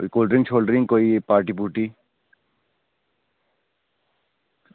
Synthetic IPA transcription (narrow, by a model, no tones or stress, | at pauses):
oikoːlɖɾĩŋɡt͡ʃʰolɖɾĩŋɡkoːipaːɾʈ̬ipuʈi